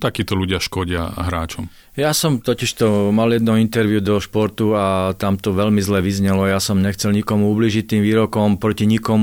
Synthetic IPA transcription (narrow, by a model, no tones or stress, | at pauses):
t̪akiːt̪ɔluɟɪaʃkɔɟɪa̰ɦɾaːt͡ʃɔm | jasɔmt̪ɔciʃt̪ɔmaljɛd̪nɔint̪ɛɾʋjud̪ɔʃpɔɾt̪uat̪amt̪ɔʋɛʎmizlɛʋizɲɛlɔjasɔmɲɛxt͡sɛlɲikɔmuubliːʒit̪ːiːmʋiːɾɔkɔmpɾɔciɲikɔmu